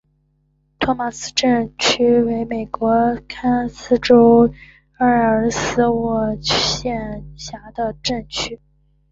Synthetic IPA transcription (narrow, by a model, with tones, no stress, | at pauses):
t̪ʰwɔ˥ma˨˩sɹ̩˥ʈ͡ʂə˥˩nt͡ɕʰy˥we˧˥ɪme˨˩ɪkwɔ˧˥kʰa˥nsɹ̩˥ʈ͡ʂo˥ʊ | ə˥˩ə˧˥sɹ̩˧˥wɔ˨˩ɕjɛ˥˩ɕja˧˥d̪ə˧ʈ͡ʂə˥˩ŋt͡ɕʰy˥